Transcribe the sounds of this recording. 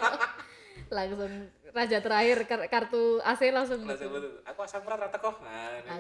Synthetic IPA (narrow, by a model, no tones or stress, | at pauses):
laŋsʊŋ | rḁd͡ʒa̤t̪əɾahɪrkakart̪uaselaŋs̬ʊŋakuasakpɾat̪ɾat̪əkɔa